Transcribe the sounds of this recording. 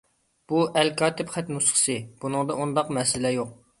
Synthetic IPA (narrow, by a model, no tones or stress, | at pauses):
b̥uʔɛlkʰɑːt̪ɪpχæt̪nusχʰə̥sɨb̥unɨŋd̪ɑund̪ɑqmɛsɪlɛjoq̚